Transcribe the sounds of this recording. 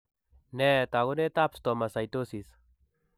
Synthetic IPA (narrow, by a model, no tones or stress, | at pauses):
nɛt̪aɣʊnɛt̪apst̪ɔmasajt̪osis